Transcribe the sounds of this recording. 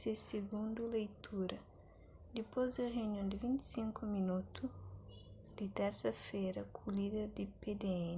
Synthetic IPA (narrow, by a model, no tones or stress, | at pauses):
seseɡũnd̪ulejt̪ʰuɾɐ | d̪ipɔzd̪ɐʁeunjõnd̪ivĩnt̪i̥sĩŋkuminut̪u | d̪it̪ɛɾsɐfeɾɐkʰulid̪eɾd̪iped̪eɛn